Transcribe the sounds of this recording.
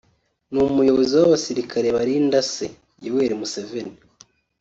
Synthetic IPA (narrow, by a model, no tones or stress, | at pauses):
numujo̞βoziwaβasiɾikʰaɾe̞βaɾindasḛ | jiweːɾimuse̞veni